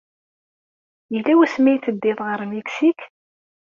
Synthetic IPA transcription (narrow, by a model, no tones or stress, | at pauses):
jəlːæwæsmæjθəd̪ːɪðˤʁəɾmeksik